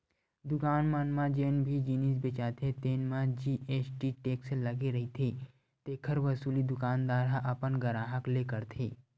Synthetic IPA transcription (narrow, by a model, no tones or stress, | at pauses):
d̪ʊkaːnmaːnmãd͡ʒeːnbʱid͡ʒiːnisbet͡ʃaːt̪ʰet̪eːnmãd͡ʒiːʔeːsʈiʈeːkselɐɡeɾɐɦit̪ʰe | t̪eːkʰəɾʋɐsuːlid̪ʊkaːnd̪aːɾɦaʔɐpənɡɐɾaːɦəkleːkəɾt̪ʰḛː